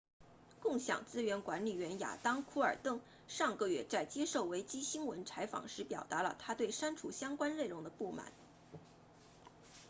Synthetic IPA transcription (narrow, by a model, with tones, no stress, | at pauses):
kʊ˥˩ŋɕjɑ̰˨˩ŋt͡sɹ̩˥ɥɛ˧˥nkwa˧˥nli˨˩ɥɛ˧˥nja̰˨˩t̪ɑ˥ŋkʰu˥ə˞˨˩t̪ɤ˥˩ŋ | ʂɑ˥˧ŋkɤ˥˧ɥɛ˥˩t͡sa˥˩ɪt͡ɕjɛ˥ʂo˥˩ʊwe˧˥ɪt͡ɕi˥ɕi˥ŋwə˧˥nt͡sʰa˧˥ɪfɑ̰˨˩ŋʂɻ̩˧˥pjɑ˨˩ʊt̪a˧˥lə̰˧t̪ʰa˥t̪we˥˩ɪʂa˥nʈ͡ʂʰu˨˧˥ɕjɑ˥ŋkwa˥nle˥˩ɪʊ˧˥ŋd̪ə˧pu˥˩ma̰˨˩˦n